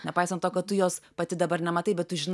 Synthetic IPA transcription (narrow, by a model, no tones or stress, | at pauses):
nʲɛpɐɪsɐnt̪oːkɐt̪̚t̪ʊjoːspɐt̪ʲɪd̪ɐbɐɾnʲɛmɐt̪ɐɪbʲɛt̪̚tʊʒʲɪn